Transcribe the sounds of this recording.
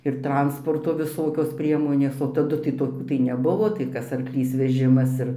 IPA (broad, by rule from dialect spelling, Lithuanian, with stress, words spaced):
ɪr ˈtrɐnspoːrtoː ʋʲɪˈsoːkʲoːs ˈpʲrʲiɛmoːnʲeːs oː tɐˈdʊ tɐɪ toːˈkʲuː tɐɪ nʲɛˈbʊʋoː tɐɪ ˈkɐs ɐrkˈlʲiːs ʋʲɛˈʒʲɪmɐs ɪr